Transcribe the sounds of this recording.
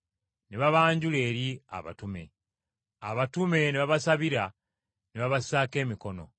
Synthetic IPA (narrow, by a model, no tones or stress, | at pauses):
neβaβaːɲɟule̞ːɾia̰βa̰tume̞̰ | a̰βatume̞neβaβasaβiɾa | neβaβasaːke̞ːmiko̞no̞̰